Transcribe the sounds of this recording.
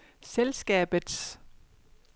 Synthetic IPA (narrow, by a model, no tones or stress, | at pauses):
selsɡ̥ɛ̰ːb̥ðˠs